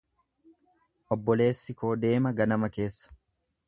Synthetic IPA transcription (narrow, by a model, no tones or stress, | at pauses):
ʔɔbːɔle̞ːsːɪko̞ːd̪e̞ːmɐɡɐnɐmɐke̞ːsːɐ̥